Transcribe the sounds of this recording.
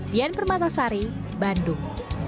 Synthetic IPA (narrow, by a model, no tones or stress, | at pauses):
d̪ianpərmat̪asaɾi | bandʊŋ